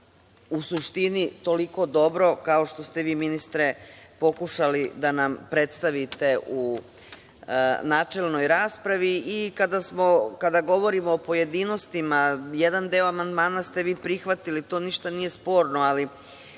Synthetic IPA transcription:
usuʃt̪init̪o̞liko̞d̪o̞bɾo̞kao̞ʃt̪o̞st̪e̞ʋiːminist̪ɾe̞po̞kuʃalid̪anampɾe̞t̪st̪aʋit̪e̞ʔu | naːt͡ʃe̞lˠno̞jɾaːspɾaʋiikad̪asmo̞kad̪aɡo̞ʋo̞ɾimoːpo̞je̞d̪ino̞st̪imaje̞d̪and̪eoamand̪maːnast̪e̞ʋiːpɾixʋat̪ilit̪o̞ːniʃt̪anije̞spo̞ːɾno̞ali

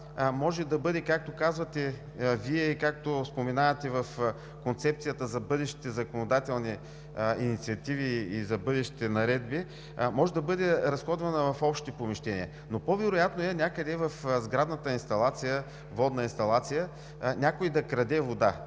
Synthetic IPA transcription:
mɔʒɛd̪ɐbɤd̪ɛkak̚t̪okazvɐt̪ɛ | viɛikak̚t̪ospomɛnavɐt̪ɛvɐf | kont̪sɛp̚t̪sijət̪əzɐbɤd̪ɛʃt̪i̥t̪ɛzɐkonod̪at̪ɛlˠni | inʲit̪siɐt̪iviːzɐbɤd̪ɛʃt̪i̥t̪ɛnɐɾɛd̪̚bi | mɔʒɛd̪ɐbɤd̪ɛɾɐsxɔd̪vɐnəvɐfɔpʃt̪ipomɛʃt̪ɛnḭə | nopovɛɾʊjat̪noɛnʲakəd̪ɛvɐfzɡɾad̪nət̪əinst̪ɐlˠat̪sijə | vɔd̪nəinst̪ɐlˠat̪sijə | nʲakoid̪ɐkɾɐd̪ɛvod̪a

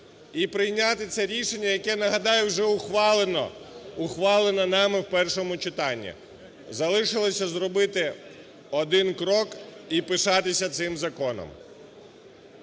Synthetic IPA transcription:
ipɾɪjnʲat̪ɪt̪sɛɾʲiʃenʲːɐjɐkɛnɐɦɐd̪ɑjɛwʒɛʊxʋɑlˠenɔ̰ʊxʋɑlˠenɐnɑmɪwpɛrʃɔmʊt͡ʃɪt̪ɑnʲːḭ | zɐlˠɪʃɪlˠɔsʲɐzrɔbɪt̪ɪ | ɔd̪ɪnkɾɔkipɪʃɑt̪ɪsʲɐt̪sɪmzɐkɔnɔ̰m

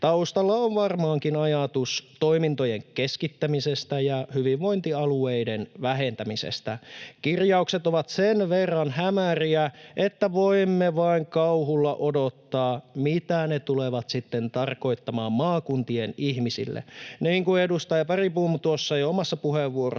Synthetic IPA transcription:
t̪ɑust̪ɑlːɑoʋʋɑrmɑːŋkinɑjɑt̪ust̪oimint̪ojeŋkeskit̪ːæmisest̪æjɑhyʋiʋʋoint̪iɑlueidenʋæɦent̪æmisḛst̪ækirjɑukset̪oʋɑt̪senʋerːɑnhæmæriæʔet̪ːæʋoimːeʋɑiŋkɑuɦulːɑ̰ʔodot̪ːɑːmit̪ænet̪uleʋɑt̪sit̪ːent̪ɑrko̞it̪ːɑmɑːmmɑːkunt̪ienihmisḭlːḛniːŋkuedust̪ɑjɑpɑripuːmut̪uosːɑjɑomɑsːɑpuheʋːuoro̰

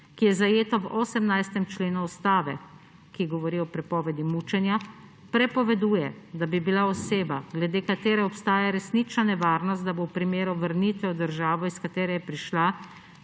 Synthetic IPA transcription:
kijɛzajeːt̪ɔwɔsɛmnajst̪ɛmt͡ʃleːnuɔst̪aːʋɛ | kiɡɔʋɔɾiɔpɾɛpɔːʋɛd̪imut͡ʃɛnja | pɾɛpɔʋɛd̪uːjɛd̪abibilaɔseːbaɡlɛd̪eːkat̪eːɾɛɔpst̪aːjaɾɛsniːt͡ʃnanɛʋaːɾnɔst̪d̪abowpɾimeːɾuʋəɾnit̪ʋɛɔd̪əɾʒaːʋɔiskat̪eːɾɛjɛpɾiʃla

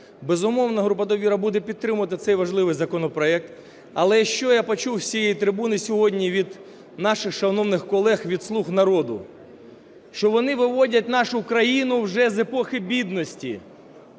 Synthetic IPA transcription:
bezʊmɔwnɐɦɾup̬ɐd̪ɔʋʲiɾɐbud̪ɛpʲid̪̚t̪ɾɪmʊʋɐt̪ɪt̪sɛjʋɐʒlˠɪʋɪjzɐkɔnɔpɾɔɛk̚t̪ | ɐlˠɛʃt͡ʃɔjapɔt͡ʃuwsʲijejit̪ɾɪbunɪsʲɔɦɔdʲnʲiʋʲid̪ | nɑʃɪxʃɐnɔwnɪxkɔlˠɛxʋʲid̪slˠuxnɐɾɔd̪ʊ̰ | ʃt͡ʃɔʋɔnɪʋɪʋɔdʲɐtʲnɑʃʊkɾɐjinʊwʒɛzepɔxɪbʲid̪nɔsʲtʲḭ

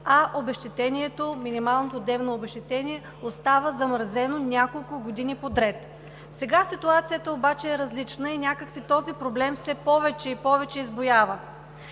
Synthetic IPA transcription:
ɐʔobɛʃt̪ɛt̪ɛniɛt̪ominimalˠnot̪od̪ɛvnoːbɛʃt̪ɛt̪ɛniɛ | ost̪avəzɐmɾzɛnonʲjakolˠkʊɡod̪inipod̪ɾɛt̪ | sɛɡasit̪uat̪sijət̪əobat͡ʃɛɛɾɐzlit͡ʃnəinʲjakəksit̪ɔzipɾoblɛmfsɛpɔvɛt͡ʃɛipɔvɛt͡ʃɛizbojavə

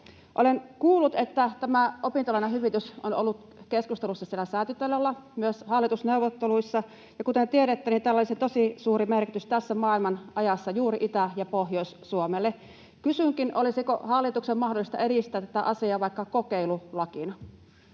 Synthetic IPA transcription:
ʔolenkuːlːut̪et̪ːæt̪æmæopint̪olɑˑineɦyʋit̪ysʔono̰lːut̪ | keskust̪elusːɑsielːæsæˑːt̪yt̪ːelːelːɑmyøshɑlːit̪usneuʋˑot̪ːeluisːɑ | jɑkut̪ent̪ieɾet̪ːænit̪æːlːolisit̪osisuːɾimerkit̪yst̪æsːæmɑːilmɑnʔɑjɑsːɑjuːɾiʔit̪æjɑpohjoissuomelːe | kysyŋkinʔolisikohɑlːit̪uksemmɑhdolist̪ɑ̰eɾist̪ˑæːt̪ːæ̥t̪æ̰ʔɑsiɑːʋɑikːɑkokeilulɑkinɑ

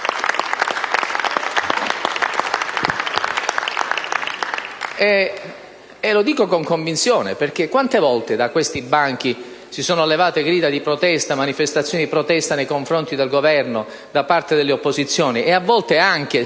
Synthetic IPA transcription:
ɛ | ɛlod̪iːkokoŋkoɱvinsjoːnḛperk̟ekːwant̪evɔlt̪ed̪akwest̪ibaŋk̟i | sisoːnoalːevaːt̪eɡɾiːd̪ad̪ipɾot̪ɛst̪amanifest̪at̪sːjoːnid̪ipɾot̪ɛst̪anejkoɱfɾont̪id̪elɡovɛrno | d̪apart̪ed̪elːeopːoszit̪sːjoːniʔeavːɔlt̪eaŋk̟e

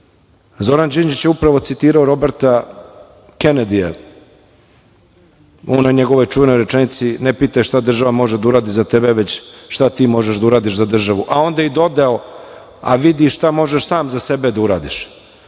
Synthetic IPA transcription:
zo̞ɾand͡ʒind͡ʒit͡ɕjeupɾaʋo̞t̪sit̪iːɾaoɾo̞beɾt̪a | ke̞ned̪ijḛ | onaɲe̞ɡoʋojt͡ʃuʋe̞no̞jɾet͡ʂenit̪sinepit̪aʃt̪ad̪r̩ʒaʋamo̞ʒed̪auɾaːd̪izat̪ebeʋe̞t͡ɕʃt̪at̪iːmo̞ʒeʒd̪auɾaːd̪iʃzad̪r̩ʒaʋuʔao̞nd̪aid̪o̞d̪ao | a̰ʋid̪iʃt̪amo̞ʒeʃsaːmzase̞bed̪auɾa̰ːd̪iʃ

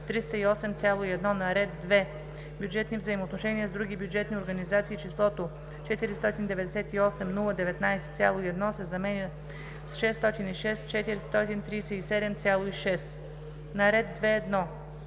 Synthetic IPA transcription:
t̪ɾist̪əiɔsɛmt̪sʲalˠoiɛd̪nɔnɐɾɛd̪ːvɛ | bʲjud͡ʒɛt̪nivzəimoːt̪noʃɛniəzd̪ɾuɡʲibjud͡ʒɛt̪nʲioɾɡɐnizat̪siːt͡ʃislˠɔt̪o | t͡ʃɛt̪iɾist̪ɔt̪ind̪ɛvɛd̪ɛsɛt̪iɔsɛmnulˠəd̪ɛvɛt̪najsɛ̥t̪sʲjalˠoiɛd̪nɔsɛzɐmɛnʲə | sʃɛsːt̪ɔt̪iniʃɛst͡ʃɛt̪iɾst̪ɔt̪int̪ɾijsɛisɛd̪ɛmt̪sʲjalˠoiʃɛs | nɐɾɛd̪ːvɛːd̪nɔ

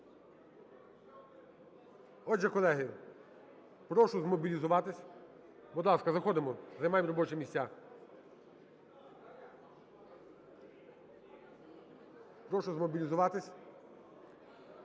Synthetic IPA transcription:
ɔʒɛkɔlˠɛɦɪ | pɾɔʃʊzmɔbʲilʲizʊʋɑt̪ɪsʲ | bɔd̪lˠɑskɐzɐxɔd̪ɪmɔzɐjmɑjɪmɾɔbɔt͡ʃɛmʲisʲtʲːa | pɾɔʃʊzmɔbʲilʲizʊʋɑt̪ɪsʲ

